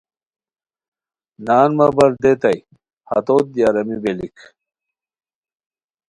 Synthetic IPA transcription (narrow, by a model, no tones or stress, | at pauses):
naːnmɐbɐɾd̪et̪ɐj | hɐ̰t̪ot̪̚ːjaɾɐmibelik